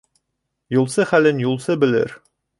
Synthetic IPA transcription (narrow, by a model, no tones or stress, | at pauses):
julˠsɤχælɘnjulˠsɤbɘ̆lɘ̰ɾ